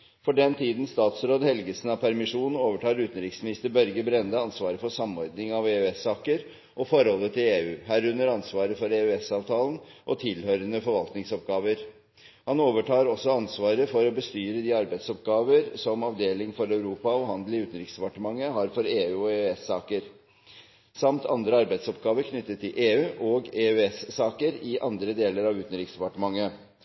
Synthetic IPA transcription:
fɔɖɛnt̪ʰiːd̪n̩st̪ɑːt̪sɾoːd̪hɛlɡəsn̩ɑʋpʰæɾmɪʂuːnn̩oːʋəʈʰɑːɾʉːt̪ən̩ɾɪksmɪnɪst̪əɾbœɾɡəbɾɛnd̪əɑnsʋɑːɾəfɔsɑmɔɾd̪nɪŋɑʋeːʉɛsːɑːkəɾ | ʔɔfɔɾhɔlːət̪ʰɪleːʉːhæːɾʉnːəɾɑnsʋɑːɾəfɔɾeːʉɛsɑːʋt̪ʰɑːln̩ʔɔt̪ʰɪlhœɾənəfɔɾʋɑlt̪nɪŋsɔp̚ɡɑːʋəɾ | hɑnoːʋəʈʰɑːɾɔsɔɑnsʋɑːɾəfɔɾɔbəst̪yːɾəd̪iːɑɾbæɪsɔp̚ɡɑːʋəɾsɔmɑʋd̪eːlɪŋfɔɾæʉɾuːpɑɔhɑnd̪lɪʉːt̪n̩ɾɪksd̪ɛpɑʈəmɑŋːəɦɑɾfɔɾeːʉːɔeʉɛsːɑːkəɾ | sɑmt̪ʰɑnd̪ɾəɑɾbæɪd̪sɔp̚ɡɑːʋəɾkʰnʏt̪ːət̪ʰːɪlʔeːʉːʔɔɡeʉɛssɑːkəɾɪʔɑnd̪ɾəd̪eːləɾɑʋʉːt̪n̩ɾɪksd̪ɛpɑʈəmɑŋːə

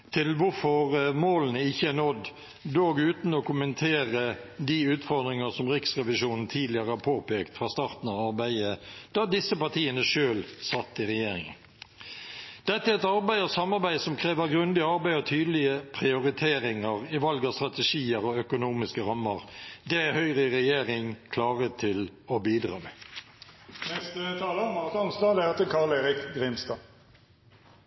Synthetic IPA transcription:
t̪ʰɪlʋʊɾfɔʁmoːlənəɪçːəænɔd̪ | d̪oːɡʉːt̪nɔkʊmənt̪ʰeːʁəd̪iʉːt̪fɔʁd̪ʁɪŋəsɔmʁɪksʁɛʋɪʃuːnn̩t̪ʰiːd̪lɪəɾəhæɾpʰoːpeːkt̪fʁɑst̪ɑːʁt̪n̩ɑʋɑɾbæɪəd̪̥ɑd̪ɪsːəpɑt̪ʰiːənəʂøːlsɑt̪ːɪʁɛjeːɾɪ̰ŋə̰n | d̪̥ɛt̪ːəæɛt̪ɑɾbæɪɔsɑmːɑɾbæɪsɔmkʰʁeːʋəɾɡɾʉnd̪ɪəɑɾbæɪɔt̪ʰyːd̪lɪəpʰɾɪʊɾɪt̪ʰeːɾɪŋəʁɪʋɑlɡɑst̪ʁɑt̪ɛʃiːəɾɔœkʊnuːmɪskəɾɑmːəʁd̪ɛæɾhœʏʁəɪʁɛjeːʁɪŋkʰlɑːʁət̪ʰɪlɔbiːd̪ʁɑ̰ːmɛː | nɛst̪ət̪ʰɑːləmɑʁt̪ɑnst̪ɑːlt̪əkʰɑleːʁɪkɡʁɪmst̪ɑː

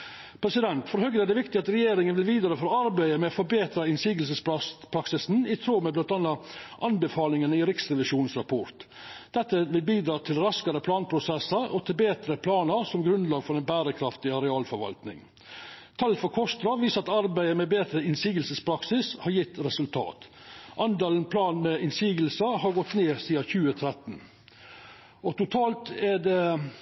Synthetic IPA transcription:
pʰɾɛsɪd̪ɛnt̪fɔɾɦœɡ̪əæɖ̪ɛʋɪkt̪ɪɑt̪ɾɛjeːɾɪŋənʋɪlʋiːd̪ɾɑːfɔɾɔɑɾbæɪəmɛofɔɾbeːt̪ɾɑɪnsiːɡəls̬əspɾɑpʰɾɑksɪsn̩ɪt̪ʰɾoːmɛblɑnt̪ɑnːɑʔɑnbəfɑːlɪŋənɪɾɪksɾɛʋɪʂuːn̩sɾɑpʰɔɾt̪ | d̪̥ɛt̪ːəʋɪlbiːd̪ɾɑːt̪ʰɪlɾɑskəɾəpʰlɑːnpʰɾʊsɛsːəɾɔt̪ʰɪlbeːt̪ɾəpʰlɑːnəɾsɔmɡɾʉnlɑːɡfɔɾɛnbæːɾəkʰɾɑft̪ɪɑɾɛɑːlfɔɾʋɑ̰lt̪nɪ̰ŋ | t̪ʰɑlfɔɾkʰɔst̪ɾɑʋiːsɑt̪ɑɾbæɪəmɛbeːt̪ɾəɪnsiːɡəlsəspʰɾɑksɪshɑɾjɪt̪ːɾɛsʉlt̪ʰɑ̰ːt̪ | ʔɑnd̪ɑːlənpʰlɑːnmɛɪnsiːɡəlsəhɑɾɡɔt̪neːsiːɑçʉːət̪ʰɾɛt̪n̩ | ɔt̪ʊt̪ʰɑːlt̪ædɛ

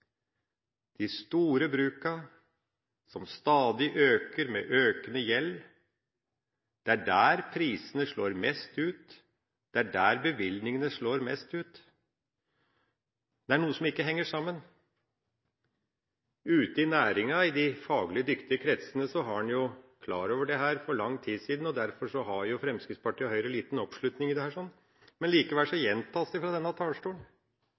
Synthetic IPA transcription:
d̪̥ist̪uːɾəbɾʉːkɑ | sɔmst̪ɑːd̪ɪʔøːkəɾmḛːʔøːkənəjɛlː | d̪̥ɛæɖæːɾpʰɾiːsənəʂɭoːɾmɛst̪ʉːt̪ | d̪̥ɛæɖæːɾbəʋɪlnɪŋənəʂɭoːɾmɛst̪ʉːt̪ | d̪ɛæɳuːəsɔmɪkːəɦɛŋːəʂɑmːən | ʉːt̪əɪnæːɾɪŋɑɪd̪ɪfɑːɡlɪəd̪ʏkt̪ɪəkʰɾɛt̪sənəsɔɦɑɑnjʊkʰlɑːɾoːʋəɖɛɦæːɾfɔɾɭɑŋːt̪ʰiːsiːd̪n̩ɔd̪æɾfɔʂɔɦɑɾjʊfɾɛmskɾɪt̪spʰɑʈʰiːhœʏɾəliːt̪nɔpʂɭʉt̪nɪŋɪd̪ɛhæːʂɔnː | mɛnliːkəʋælʂɔjɛnt̪ʰɑːsɛɪfɾɑd̪ɛnːɑt̪ʰɑːlʂʈuːən

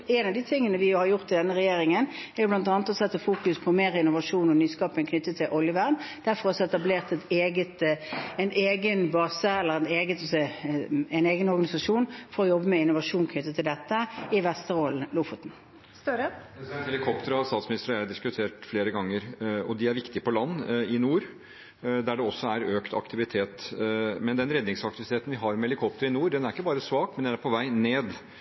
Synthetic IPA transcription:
ɛɪnɑʋd̪iːt̪ʰɪŋːənəʋɪhɑɾjʊʁt̪ːɪd̪ɛnːəɾɛjeːɾɪŋənɛːʁjʊblɑnt̪̬ɑːnət̪ɔsɛt̪ːəfuːkʉspʰɔmeːɾɪnʊʋɑʂuːnɔnyːskɑːpənkʰnʏt̪ːət̪ʰːɪlʔɔljəʋæʁnd̪̥æɾfɔʁɑsɔɛt̪ɑbleːʁt̪ɛt̪eːɡət̪ɛɪneːɡənbɑːsəɛlːəɾɛneːɡət̪ɔsɛ | ɛɪneːɡənɔɾɡɑnɪsɑʂuːnfɔɾɔjɔbːəmɛɪnʊʋɑʂuːnkʰnʏt̪ːət̪ʰɪld̪ɛt̪ːəɪʋɛst̪əɾol̩lufʊt̪n̩ | sɛhɛlɪkʰɔpt̪əɾst̪ɑːt̪smɪnɪst̪əɾæɖ̪ɪskʉt̪ʰeːʈfleːɾəɡɑŋːəɾɔd̪ɪæɾʋɪkt̪ɪəpɔlɑnːɪnuːɾ | d̪æɖɛɔsːɔæɾøːkt̪ʰɑ̰kt̪ʰɪʋɪt̪ʰeːt̪mɛnd̪ɛnɾɛd̪nɪŋsɑkt̪ɪʋɪt̪ʰeːt̪n̩ʋɪɦɑɾmɛɛlɪkʰɔp̚t̪əɾəɪnuːɾɖɛnæɾɪkːəbɑːɾəsʋɑːkmɛnd̪ɛnæɾpʰɔʋæɪneːd̪

